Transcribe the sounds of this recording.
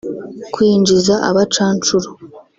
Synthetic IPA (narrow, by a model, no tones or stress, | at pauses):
kwiːɲd͡ʒizaʔa̰βat͡ʃaːnt͡ʃuɾo